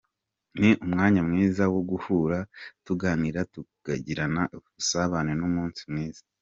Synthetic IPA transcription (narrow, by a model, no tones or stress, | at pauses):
niʔumŋaːɲamŋiːzawoɡuhuɾatuɡaːniɾatuɡ̥a̰ɟiɾanaʔusaβanenumuːnsimŋiːz̥ḁ